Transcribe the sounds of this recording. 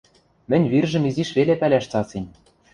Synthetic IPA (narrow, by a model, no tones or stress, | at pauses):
mɘ̆nʲβirʒɘ̆miziʃβelepælʲæʃt͡sɑsinʲ